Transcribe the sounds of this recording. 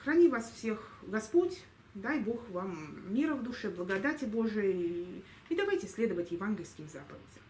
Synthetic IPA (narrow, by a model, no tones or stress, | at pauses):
xrɐnʲivasfsʲe̞xɡɐspo̞tʲ | d̪ajbo̞xvamːʲiɾəvd̪ʊʂɛblˠəɡɐd̪atʲɪbo̞ʐɨjə | id̪ɐvajtʲɪsʲlʲe̞d̪əvətʲjɪvanɡʲɪlʲskʲɪmzapəvʲɪdʲəmm